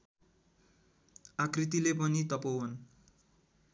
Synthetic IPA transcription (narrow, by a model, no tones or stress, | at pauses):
akrit̪ilep̬ʌnit̪ʌpowʌn